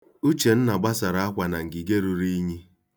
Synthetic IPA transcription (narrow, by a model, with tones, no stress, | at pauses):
u˦t͡ʃe˨n̩˦na˨ɡ͡ba˦sa˨ɾa˦a˦kʷa˨na˨ŋ̩˨ɡi˨ɡe˦ɾu˨ɾi˦ɲi˦